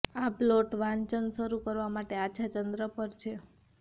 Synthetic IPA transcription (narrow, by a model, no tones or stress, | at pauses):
aploʈʋãɲt͡ʃənʃəɾukəɾʋamaʈeaʃʰat͡ʃənd̪ɾəpəɾt͡ʃʰe